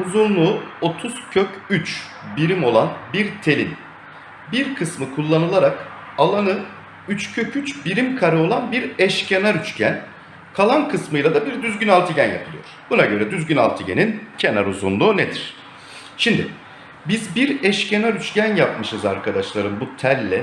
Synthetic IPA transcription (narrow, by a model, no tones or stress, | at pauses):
ɾuzunlˠuːo̞t̪ʰuz̥cʰøcyt͡ʃ | biɾimo̞lˠanbiɾt̪ʰe̞lʲḭm | biɾkʰɯsmɯkʰulˠːanɯlˠaɾak | alˠanɯ | yt͡ʃcʰøcʰyt͡ʃbiɾimkʰaɾɯo̞lˠanbiɾɛʃcʰenaɾyt͡ʃcʰæn | kʰalˠankʰɯsmɯjlˠad̪abiɾd̪yzɟynalˠt̪ʰɯɟænja̰pʰɯlˠɯjoɾ̥b̥unaɟø̞ɾɛd̪yzɟyna̰lˠt̪ʰɯɟḛnincʰena̰ɾuzunlˠuːned̪iɾ̥ | ʃimd̪ɪ̰ | bizbiɾɛʃcʰenaɾyt͡ʃcʰænjapmɯʃɯza̰ɾkʰad̪aʃlˠaɾɯmbut̪ʰælʲːɛ